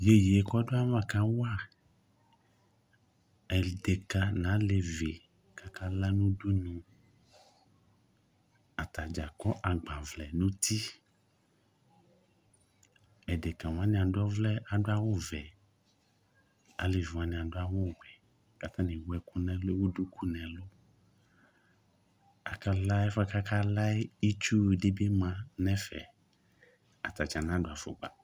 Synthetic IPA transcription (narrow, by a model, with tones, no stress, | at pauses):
je˦ji˨e˨˦kɔ˦do˦a˦mã˦ka˦wa˦ | ɛ˨ɖe˨ka˨nã˨˦le˨ve˨ | ka˨ka˦la˦nũ˦du˦nũ˦ | a˨t̪a˨d͡ʒa˨kɔ˦ʔa˨ɡ͡ba˨vlɛ˨nũ˦t̪i˦ | ɛ˨de˨kã˨wã˦nĩ˨a˨dɔ˦vlɛ˦a˨ɖo˦a˦wo˦vɛ˨ | a˨le˨ʒu˨ã˨nĩ˨ã˨ɖo˦a˦wo˦wɛ˨ | ka˨t̪ã˦nĩ˨wɛ˦ku˦nɛ̃˨lo˦wo˦du˦kʰu˦nɛ̃˨lo˦ | a˨ka˦la˦fa˦ka˦ka˦la˦e˦i˦t͡ʃu˦˨ɖe˦be˦mã˨nɛ̃˦fɛ̰˨ | a˨t̪a˨d͡ʒa˨nã˦ɖo˨a˨fo̰˨ɡ͡ba̰˨